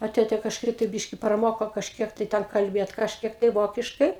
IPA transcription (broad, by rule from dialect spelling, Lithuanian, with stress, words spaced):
ɐ ˈtʲeːtʲɛ kɐʃˈkɐɪp tɐɪ ˈbʲɪʃʲkʲɪ prɐˈmoːkoː kɐʃʲˈkʲiɛk tɐɪ ˈtʲɛn kɐlʲˈbʲeːt kɐʃʲˈkʲiɛk tɐɪ ˈʋoːkʲɪʃkɐɪ